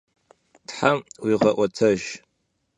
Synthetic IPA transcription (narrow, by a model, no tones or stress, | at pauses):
tħawiʁɐʔʷatʰɐʒ